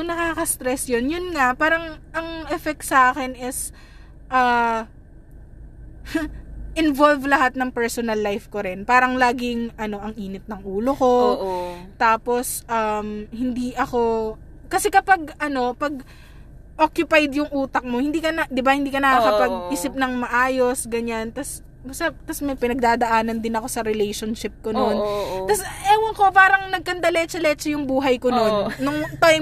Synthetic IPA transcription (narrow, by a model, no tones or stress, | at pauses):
nɐkaːkɐst̪ɾɛsjonjʊnŋapaːɾɐŋʔɐŋʔɛfɛk̚t̪sɐaːkɛnʔɪs | ʔaː | ʔɪnvolvlɐɦat̪̚nɐŋpɛɹsonɐlːajfkoɾɪnpaːɾɐŋlaːɡɪŋʔɐno̞ʔɐŋʔiːnɪt̪̚nɐŋʔuːlo̞ko̞ | t̪aːpo̞sʔɐmhɪnd̪iʔɐko̞ | kɐsɛkɐpaɡ̚ʔɐno̞pɐɡ̚ | ʔokjʊpajd̪jʊŋʔuːt̪ɐk̚mohɪnd̪iːkɐnɐd̪ɪbahɪnd̪iːkɐnɐkakɐpɐɡʔiːsɪp̚nɐŋmɐʔaːjo̞sɡɐɲant̪ɐs | ʊsɐt̪ɐsmɐjpɪnɐɡ̚d̪aːd̪ɐʔaːnɐnd̪ɪnɐko̞sɐɾɪlɛjʃonʃɪp̚konnont̪ɐsʔɛːwɐŋko̞paːɾɐŋnɐɡ̚kɐnd̪ɐlɛt͡ʃɐlɛt͡ʃɐjʊŋbuːɦɐjkononːʊŋt̪aj